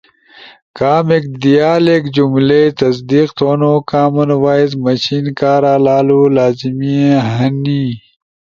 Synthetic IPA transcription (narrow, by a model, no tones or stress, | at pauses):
kaːmek̚d̪ijaːlekd͡ʑumlet̪ɐs̬d̪iːqt̪oːnoːkaːmɐnwaːjzmɐɕiːnkaːɾaːlaːlulaːzimiẽɦɐniː